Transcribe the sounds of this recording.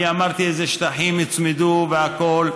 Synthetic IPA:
iamaʁt̪iezeʃt̪aħimit͡smed̪uveakol

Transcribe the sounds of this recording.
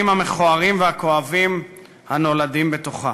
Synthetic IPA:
imhame̞χoaʁimveako̞avim | hano̞ladimbe̞t̪o̞χa

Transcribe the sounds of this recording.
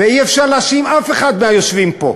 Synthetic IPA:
veiefʃaʁleasimafe̞χad̪meajo̞ʃvimpo̞̰

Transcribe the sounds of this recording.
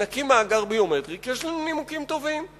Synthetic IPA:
akimaːɡaʁbijomed̪ʁikjɛʃlanunimukimt̪o̞vim

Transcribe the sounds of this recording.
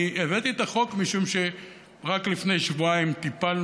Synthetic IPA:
evet̪iet̪aχo̞kmiʃumʃe | ʁaklifne̞jʃvuaimt̪ipal

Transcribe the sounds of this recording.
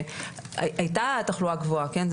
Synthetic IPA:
a̰ʔajtataχluaɡvoakenz

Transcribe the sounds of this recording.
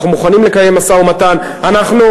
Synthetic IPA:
χumuχanimle̞kaje̞masaumatan | anaχnu

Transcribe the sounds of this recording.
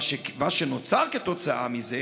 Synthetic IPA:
ʃevaʃenot͡saʁket̪ot͡saʔa̰mize

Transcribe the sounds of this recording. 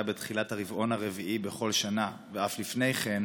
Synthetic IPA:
abet̪χilathaʁivʔo̞naʁe̞viʔibe̞χo̞lʃanaveaflifne̞jχe̞n

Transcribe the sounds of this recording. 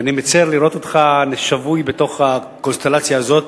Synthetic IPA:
animet͡seʁliɾo̞t̪ot̪χaneʃavujbe̞t̪o̞χa | ko̞nst̪elat͡sjaːzo̞t̪

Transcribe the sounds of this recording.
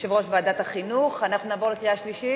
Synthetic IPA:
ʃevo̞ʃvaːd̪at̪haχinuχanaχnunaːvo̞lekʁiaʃliʃi

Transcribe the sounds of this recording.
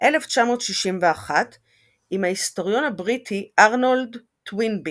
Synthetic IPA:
ʔe̞left͡ʃamo̞ːtʃiʃimveaχat | imhaisto̞ʁjo̞nhabʁitʰiʔaʁnold | twinbi

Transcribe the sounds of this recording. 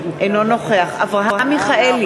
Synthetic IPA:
ʔejnonoχeaχavʁaɦamiχael

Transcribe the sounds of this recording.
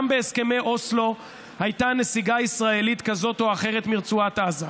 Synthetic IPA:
mbeːske̞me̞jʔo̞slo̞ | hajtane̞siɡaisʁae̞lit̪kazo̞t̪o̞aχe̞ʁet̪miʁt͡suat̪aza

